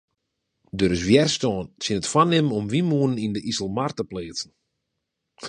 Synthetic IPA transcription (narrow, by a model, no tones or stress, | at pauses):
døɾɪs̬ʋjɛrstɔːnsɪnətfwanɪməɔmʋimuənənindəʔisəlˠmartəpleːt͡sn̩